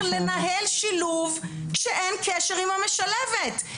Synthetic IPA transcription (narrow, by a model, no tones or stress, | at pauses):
le̞naɦelʃiluvkʃeʔenkeʃeʁimameʃalevet